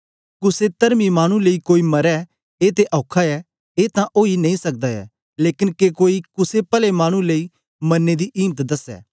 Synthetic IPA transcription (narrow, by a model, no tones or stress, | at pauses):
kʊset̪ɐɾmimaːɽ̃ũleikoːimɐɾɛ | eːt̪eʔɔːkʰaɛː | eːt̪ãʔoːinɐĩsɐk̚d̪aɛ̰ː | leːkɪnkekoːikʊsepɐlemaːɽ̃ũleiː | mɐnːed̪iʔiːmət̪d̪ɐsɛ̰ː